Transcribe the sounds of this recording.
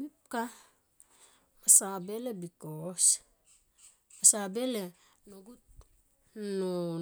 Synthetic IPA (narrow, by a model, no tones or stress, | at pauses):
mip̚ka | masabelebikos | masabele | noɡut̚ | no